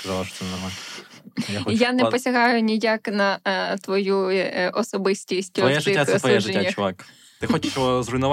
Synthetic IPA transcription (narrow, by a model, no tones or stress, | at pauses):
skɐzɑlˠɐʃɔ̥t͡s̪ɛnɐɦɐ | jaxjanɛpɔsʲɐɦɑjʊnʲijaknɐt̪ʋɔjuʔɔsɔbɪsʲtʲisʲt̪ʲɔjɛʒɪɪaɛt̪ʋɔjjɛʒɪːaɐt͡ʃʊʋak | t̪ɪxɔt͡ʃɪʃɔzrʊinʊʋ